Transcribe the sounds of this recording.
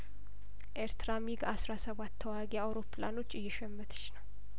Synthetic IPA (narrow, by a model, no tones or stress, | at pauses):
ʔeɾt̪ʰɾamiɡasɾasəβat̪ʰːəwaɡeawɾo̞plano̞t͡ʃːɨjːɛʃɛmːət̪ʰɨ̥t͡ʃːnəw